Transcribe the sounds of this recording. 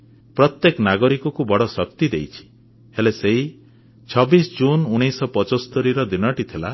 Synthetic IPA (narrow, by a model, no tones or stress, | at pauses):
pɾɔt̪jeknaɡɔɾikɔkubɔɽɔsɔkt̪id̪ejt͡ʃʰi̥ | heleseɦi | t͡ʃʰɔbisɔd͡ʒunuɽ̃ijsɔpɔt͡ʃɔst̪ɔɾiɾɔd̪inɔʈit̪ʰila̰